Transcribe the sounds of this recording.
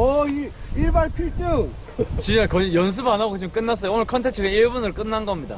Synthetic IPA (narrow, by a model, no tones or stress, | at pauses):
ʌiiɭbaɭpʰiɭt͡ɕ͈ɯŋ | t͡ɕint͡ɕ͈akʌijʌns̬ʰɯbanɦaɡot͡ɕimk͈ɯnːas͈ʌjoonɯɭkʰʌntʰet͡ɕʰɯɡaniɭbunɯɭk͈ɯnːanɡʌmɲida